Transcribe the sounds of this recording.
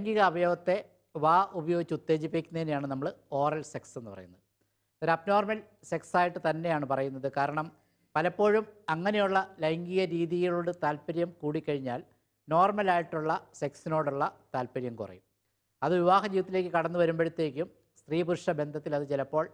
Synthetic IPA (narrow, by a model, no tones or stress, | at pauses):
ɐŋɡiɣɐːbɐjoːʋɐt̪ːe̞ | ʋaːʔubɐjo̞ːɡit͡ɕːut̪ːe̞ːd͡ʑipːikʲːunɐðinejaːɳɨnɐmːɐɭɨo̞ːrɐlse̞kse̞nːɨpɐ̰rɐ̰junːɐð | ɐɾɐpno̞ːrmɐl | se̞ksaːjiʈːɨt̪ɐnːe̞jaːɳɨpɐrɐjunːɐðɨkaːɾɐɳɐm | pɐlɐpːo̞ːɻumɐŋːɐne̞juɭːɐlɐjŋɡiɣɐɾiːðijiɭoːɽɨt̪aːlpɐɾjɐmkuːɽikːɐɻiɲːaːl | no̞ːrmɐlaːjiʈːuɭːɐse̞ksino̞ːɽuɭːɐt̪aːlpɐɾjɐmkṵrɐ̰jum | ɐðɨʋiʋaːɦɐd͡ʑiːʋɐt̪ːile̞ːkːɨkɐɽɐnːuʋɐɾumbeɻut̪ːe̞ːk̬ʲːum | st̪riːbuɾʂɐbe̞nd̪ʱɐt̪ːilɐðɨt͡ɕelɐpːo̞ːɭ